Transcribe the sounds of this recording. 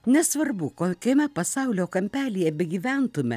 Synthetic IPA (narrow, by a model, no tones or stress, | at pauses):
nʲɛsʋɐrbukokʲɛmʲɛpɐsɑʊlʲoːkɐmʲpʲæːlʲijɛbʲɪɡʲiːʋʲænt̪ʊmʲɛ̰